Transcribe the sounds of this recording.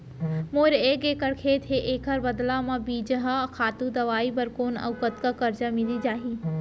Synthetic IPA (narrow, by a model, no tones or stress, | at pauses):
moːɾeːkeːkəɽkʰeːt̪ɦʰeːʔeːkʰəɾbɐd̪lãmãbiːd͡ʒɦakʰaːt̪ud̪ɐʋaːibɐɾkoːnɐ̰ʋkət̪kakɐɾd͡ʒamɪlid͡ʒaːɦiː